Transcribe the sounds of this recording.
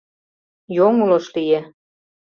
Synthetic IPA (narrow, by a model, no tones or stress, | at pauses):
joŋuloʃlije